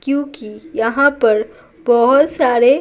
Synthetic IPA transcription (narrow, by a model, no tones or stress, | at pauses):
kjõːkijɐɦãpɐɾ | bɐɦʊt̪saːɾe